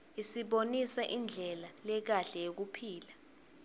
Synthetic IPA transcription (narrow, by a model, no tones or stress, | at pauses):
isiɓonisaʔind͡ɮʱɛlalɛk̬aɬɛjek̬upʰiːla